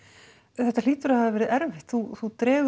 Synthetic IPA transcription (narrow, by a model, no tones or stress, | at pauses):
θɛht̪aliːt̪ʏɾahaðɪvɛːɾɪðɛɾvɪht̪θuθut̪ɾɛːɣ